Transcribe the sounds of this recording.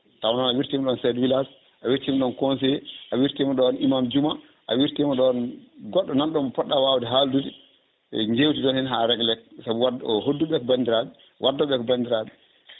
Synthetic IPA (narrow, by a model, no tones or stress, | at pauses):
tawnanawiɾtimɗɔnsɛdwilas | ʔawiɾtimɔɗɔnkɔns̬ɛjɛʔawiɾtimɔɗɔnimamd͡ʒuma | ʔa̰wiɾtimɔɗɔnɡɔɗːɔnanɗɔmɔpɔɗːawawdɛɦaldudi | ɲd͡ʒewtiɗɔnhɛnɦaɾɛɡlɛk̚sabuwaɔhodːuɓɛkɔbandiɾaɓɛ | wʔadːɔɓɛkɔbandiɾaɓɛ